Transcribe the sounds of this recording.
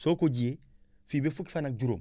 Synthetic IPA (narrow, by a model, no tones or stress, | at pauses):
sokoɟie | fibefukfanak̚d͡ʒuɾo̰m